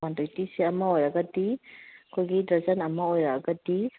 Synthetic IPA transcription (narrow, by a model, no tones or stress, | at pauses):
andojtiseɐmɐojɾɐɡɐdikʰojɡidɐɾzɐnɐmɐojɾaɡɐdi